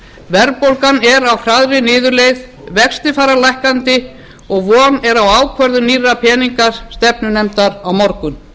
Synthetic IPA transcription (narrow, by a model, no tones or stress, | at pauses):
vɛɾpowlkanɛɾawhɾaðɾɪnɪːðʏɾlejð | vɛkst̪ɪfaːɾalajhkant̪ɪ | ɔɣvɔːnɛɾawaːwkʰvœɾðʏnirːapʰɛːniŋkaɾ̥st̪ɛpnʏnɛmt̪aɾawmɔɾkʏn